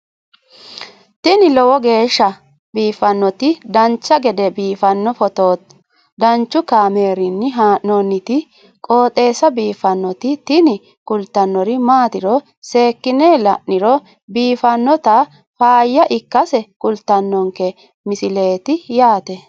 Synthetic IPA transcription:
t̪ɪnɪlɔwɔɡe̞ːʃːɐ | biːfɐnːɔt̪ɪd̪ɐnt͡ʃːɐɡɛd̪ɛbiːfɐnːɔfɔt̪oːt̪ | d̪ɐnt͡ʃːʊkaːmeːɾɪnːɪɦaːʔnɔnːɪt̪ɪ | kʼo̞ːt̪ʼe̞ːsɐbiːfɐnːɔt̪ɪt̪ɪnɪ | kʼʊlt̪ːɐnːɔɾɪmaːt̪ɪɾɔ | se̞ːkːɪneːlɐʔnɪɾɔ | biːfɐnːɔt̪ɐ | faːjːɐʔɪkːɐsɛkʼʊlt̪ːɐnːɔŋkɛ | mɪsɪle̞ːt̪ɪjaːt̪ɛ

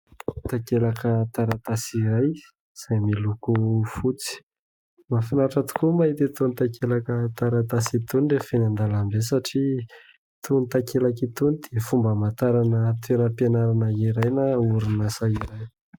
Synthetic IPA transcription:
t̪akelakət̪aɾat̪asiɾaj | z̥ajmilukufut͡si̥ | mafinaʈ͡ʂat̪u̥kumait̪et̪unit̪akʰelakət̪aɾat̪asit̪unirefenand̪alambesaʈ͡ʂi | t̪ʰunit̪akelakit̪unid̪̥eafumbəmat̪aɾanət̪enəpianaɾanəiɾajnauɾinasaiɾaj

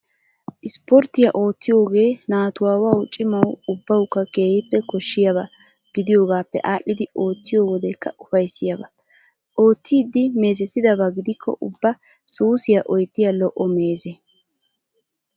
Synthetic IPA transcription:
ʔɪspɔɾt̪ːɪjɐʔo̞ːt̪ːɪjo̞ːɡe̞ːnaːt̪ʊwaːwaːwʊt͡ʃʼːɪmɐwʊbːɐwkːɐke̞ːhɪpːɛkɔʃːɪjɐβɐ | ɡ̥ɪd̪ɪjo̞ːɡaːpːɛ̰ʔaːʔːɪd̪ɪo̞ːt̪ːɪjo̞ːwɔd̪ɛkːɐʔʊfɐjsːɪjɐbɐ | ʔo̞ːt̪ːiːd̪ːɪme̞ːzɛt̪ːɪd̪ɐbɐɡɪd̪ɪkʰːɔ̰ʔʊbːɐ | suːsɪjɐʔɔjt̪ːɪjɐlɔʔɔme̞ːze

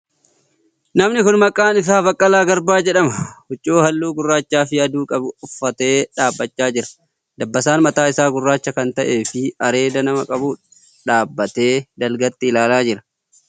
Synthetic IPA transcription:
nɐmnɪkʊnmɐkʼːaːnɪs̬aːbɐkʼːɐlaːɡɐɾbaːd͡ʒɛᶑɐmɐhʊt͡ʃʼːoːhɐlːuːɡʊrːaːt͡ʃːaːfɪjɐd̪uːkʼɐbʊʊfːɐt̪e̞ːᶑaːbːɐt͡ʃːaːd͡ʒɪɾɐ̥ | d̪ɐbːɐsaːnmɐt̪aːɪsaːɡʊrːaːt͡ʃːɐkɐnt̪ɐʔe̞ːfɪɐɾe̞ːd̪ɐnɐmɐkʼɐbuːᶑɐ | ᶑaːbːɐt̪e̞ːd̪ɐlɡɐt̪ːɪɪlaːlaːd͡ʒɪɾɐ̥

